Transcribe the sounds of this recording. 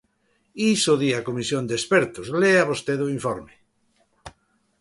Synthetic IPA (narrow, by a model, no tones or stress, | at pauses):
isoðiakomisjond̪espeɾt̪ozleaβost̪eðoiɱfɔɾme